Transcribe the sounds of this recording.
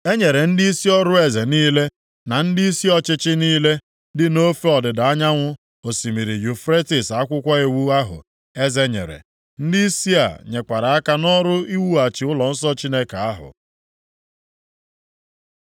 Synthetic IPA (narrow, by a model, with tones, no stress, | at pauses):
e˦ɲe˨ɾe˨n̩˦di˦i˦si˦ɔ˦ɾʊ˦e˨ze˨niː˦le˦ | na˨n̩˦dɪ˦i˦si˦ɔ˦t͡ʃɪ˦t͡ʃɪ˦niː˦le˦ | dɪ˦no˦fe˦ɔ˨dɪ˨da˨a˦ɲa˦ŋʷʊ˦ | o˨si˨mi˨ɾi˨ju˨fɾe˦tɪ˨sa˨˦kʷʊ˦kʷa˦e˨wu˦a˦ɦʊ̰˨ | e˦ze˦ɲḛ˨ɾḛ˨ | n̩˦dɪ˦i˦si˦a̰˨ɲe˨kʷa˨ɾa˨a˦ka˦nɔ˦ɾʊ˦i˦wu˦a˨t͡ʃɪ˨ʊ˦lɔ˨n̩˦sɔ˦t͡ʃi˦ne˦ka˨a˦ɦʊ̰˨